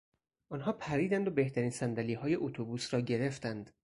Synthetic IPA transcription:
ʔɒnɦɒːpʰæɾiːd̪ænd̪obe̞ht̪ʰæɾiːnsænd̪æliːɦɒːje̞ʔot̪ʰobuːsɾɒːɟe̞ɾe̞ft̪ænd̪̥

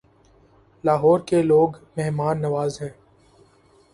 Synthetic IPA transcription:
laːɦɔːɾkeloːɡmɛɦmaːnːɐʋaːzɦɛ̃ː

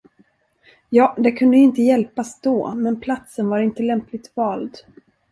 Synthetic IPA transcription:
jɑːd̪ɛkʰɵnd̪əjɵɪnt̪əjɛlpasd̪ɔ̰ːmɛnpʰlat̪sənvaɾɪnt̪əlɛmplɪt̪vɑːld̪

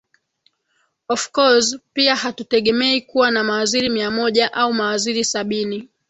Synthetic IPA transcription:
ɔfkɔzpiahatutɛɠɛmɛikuwanamawaziɾimiamɔʄaʔaumawaziɾisaɓini

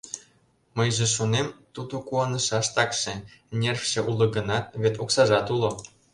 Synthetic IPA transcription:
mɤ̆jʒĕʃunemt̪ud̪okuɑnɤ̆ʃɑʃt̪ɑkʃĕnʲerʲfʲʃĕʔulˠɤ̆ɡɤ̆nɑβʲet̪oksɑʒɑt̪ulˠŏ

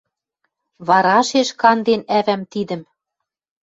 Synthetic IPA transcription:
βɑɾɑʃeʃkɑnd̪enævæmt̪id̪ɘ̆m

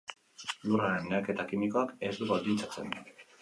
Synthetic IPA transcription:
luraɾenːeake̞t̪akimiko̞ake̞zd̪uɣold̪int͡sat͡se̞̰n

